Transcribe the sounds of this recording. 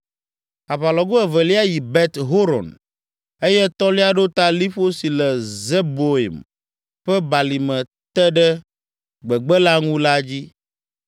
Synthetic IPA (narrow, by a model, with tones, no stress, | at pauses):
a˨βa˨lɔ˨ɡo˦ɛ˨vɛ˨li˦a˦ji˨bɛ˦t̪ɦo˦ɾɔ̰˨n | e˦jɛ˦t̪ɔ˦li˦a˦ɖo˦t̪a˦li˦ɸo˦si˨lɛ˨zɛ˦bo˨ḭ˨m | ɸɛ˦ba˨li˨mɛ̃˨ | t̪ɛ˦ɖɛ˦ | ɡ͡bɛ˨ɡ͡bɛ˦la˦ŋũ˦la˦d͡ʑi˦